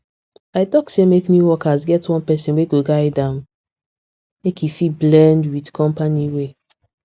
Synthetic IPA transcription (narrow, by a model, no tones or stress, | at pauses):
aɪtɔksemeknjuwɔkazɡɛtwɔ̃npɛsĩnweɡoɡaɪdãʊ̃n | mekifiblɛ̃ndwidkʰɔ̃mpaniwe